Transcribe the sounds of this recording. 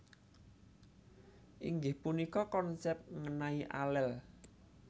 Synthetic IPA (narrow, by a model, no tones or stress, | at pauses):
ʔiŋɡɪhpunikɔkɔnsɛp̚ŋənaiʔa̰lɛl